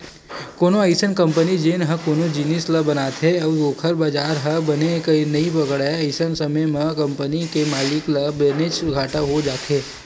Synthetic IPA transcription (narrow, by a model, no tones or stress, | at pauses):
koːnoɐɪsənkɐ̃mpənid͡ʒeːnɦɐkoːnod͡ʒinisləbɐnaːt̪ɦeɔːɡoːkʰəɾbaːd͡ʒaːɾɦɐbɐnekɐinɐĩpɐkəɽaɐɪsənsɐməjmɐ̃kɐ̃mpənikemaːlɪklɐbenet͡ʃɡʱaːʈaɦod͡ʒaːt̪ʰeː